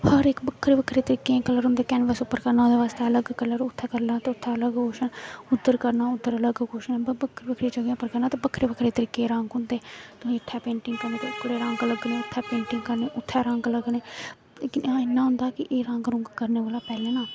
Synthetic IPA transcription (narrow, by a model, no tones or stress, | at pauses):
həɾɪkbəkʰːɾeːbəkʰːɾiːt̪əɾiːkːeãkələɾɦʊ̃nd̪eːkɛːnʋəsʊpːəɾkəɾnãːd̪eːʋaːst̪eːələɡkələɾʊt̪ʰːɛːkəɾlaːt̪eːʊt̪ʰːɛːələɡkoːʃənʊd̪ːəɾkəɾnaːʊd̪ːəɾələɡkoːʃñːbəbəkʰːɾebəkʰɾiːd͡ʒəɡẽːʊpːəɾkəɾnaːt̪eːbəkʰːɾeːbəkʰɾeːt̪əɾiːkːeːɾãŋɡɦʊ̃nd̪eːt̪ʊsĩːʊt̪ʰːɛːpẽːɳʈɪ̃ŋɡkəɾnẽːt̪eʊkʰːəɾeːɾə̃ŋɡələɡneːʊt̪ʰːɛːpẽːɳʈɪŋɡkəɾneːʔʊt̪ʰːɛːɾãŋɡələɡneː | ɪnːãːɦʊ̃ːnd̪aːkɪʔeːɾãːŋɡɾʊ̃ŋɡkəɾneːʋəːlaːpɛːleːnaː